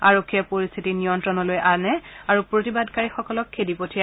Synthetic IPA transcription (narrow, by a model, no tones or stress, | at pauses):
aɹokʰːijapoɹist̪ʰitiniɔntɹɔnɔlojʔanɛaɹupɹotibadkaɹixɔkɔlɔkʰːedipotʰija